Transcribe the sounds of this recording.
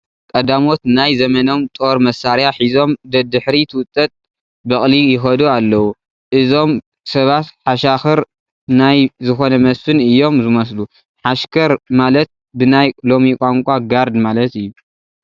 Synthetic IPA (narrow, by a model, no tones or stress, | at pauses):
kʼɐd̪amo̞t̪najzɐmɐno̞mt̪ʼo̞ɾmɐsaɾjaħizo̞md̪ɐd̪ɨħɾit̪ʰɨwʊt̪ʼːɐt̪ʼ | bɐχʼlijɪxɐd̪oalːɐwu | ʔɨzo̞m | sɐβat̪ħaʃaxɨɾ | najzɨxo̞nɐmɐsɨnɨjːo̞mzɨmɐs̬lu | ħaʃkʰɐɾmalɐt̪̚ | bɨnajlo̞mikʷʼaŋkʷʼaɡaɾd̪malɐt̪ɨjːu